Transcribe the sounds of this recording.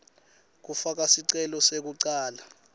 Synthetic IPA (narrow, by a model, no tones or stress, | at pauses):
k̬ufak̬asiǀɛlɔsek̬uǀaːla